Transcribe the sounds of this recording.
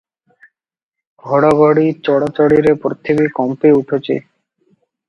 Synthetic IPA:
ɡʱɔɽaɡʱoɽit͡ɕɔɽat͡ɕɔɽiɾepɾot̪ʰibikɔmpeuʈʰot͡ɕʰḛ

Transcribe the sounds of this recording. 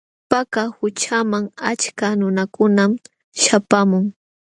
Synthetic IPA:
pakahʊt͡ʃamaŋat͡ʃkanʊnakʊnam | ʃapamʊŋ

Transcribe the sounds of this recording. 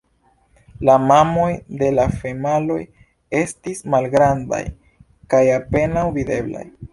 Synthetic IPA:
lamamo̞jde̞lafe̞malo̞̰j | e̞stismalɡɾanda̰j | kajape̞nawvide̞bla̰j

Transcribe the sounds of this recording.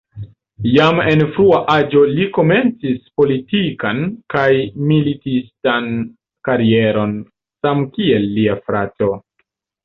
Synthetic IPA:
jame̞nfɾuaʔad͡ʒo̞liko̞me̞nt͡sispo̞litikankajmilitistan | kaɾie̞ɾo̞n | samkie̞lːiafɾato̞

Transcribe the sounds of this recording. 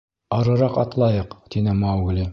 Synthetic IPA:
ɑɾɤ̆ɾɑqɑt̪lˠɑjɤqt̪inɘmɑwɡlʲi

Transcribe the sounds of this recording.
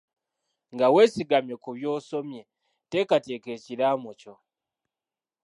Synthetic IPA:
ŋɡawe̞ːsiɡamje̞kuβjo̞ːso̞mje̞ | te̞kate̞ke̞ːciɾaːmoco

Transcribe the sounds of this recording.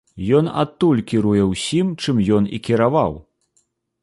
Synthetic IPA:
jɔna̰t̪ːulʲkʲiɾujɛwsʲimt͡ʂɨmjɔnḭkʲiɾavaw

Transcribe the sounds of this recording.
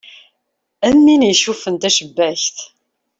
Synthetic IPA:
æmːinjʃufənt̪æʃəbːæçt̪

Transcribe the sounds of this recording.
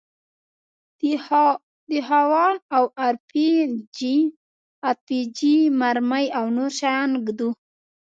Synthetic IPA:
d̪əɦawɑnawaɾpid͡ʒi | at̚pid͡ʒimaɾmajawnoɾʃajnɡd̪u

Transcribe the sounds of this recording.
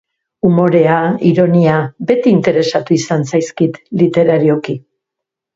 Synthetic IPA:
umo̞ɾe̞aiɾo̞niabe̞t̪iːnt̪e̞ɾe̞sat̪uisansajskit̪lit̪e̞ɾaɾio̞ki

